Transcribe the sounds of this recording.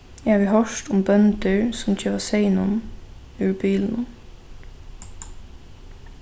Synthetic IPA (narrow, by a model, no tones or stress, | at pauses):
æːʋiːhœʃtʊmbœnd̪əɹsɔmɪçəʋɑseɪnʊ̰m | ʉːɹbiːln̩